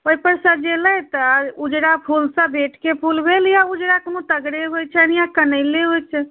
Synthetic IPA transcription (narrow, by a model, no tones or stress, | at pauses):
ojpəɾsəbd͡ʒelət̪əud͡ʒɾapʰulsə̃bʱeʈkepʰulbʱeljaud͡ʒɾakonot̪əɡɽeɦojt͡ʃʰɛnijakənəɪleɦojt͡ʃʰɛ